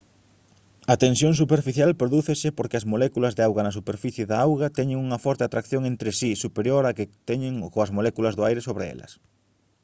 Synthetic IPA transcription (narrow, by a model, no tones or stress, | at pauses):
ɐt̪ensjoŋsupeɾfiθjalpɾoðuθesɪpoɾkɪɐzmolɛkulɐzðeawɣɐnɐs̬upeɾfiθjeðaawɣɐt̪ɛɲɪ̃ŋuŋɐfɔɾt̪ɪat̪ɾakθjoŋent̪ɾɪsisupeɾjoɾakɪt̪ɛɲɪŋkoɐzmolɛkulɐzðʊajɾesoβɾeɛ̰lɐ̰s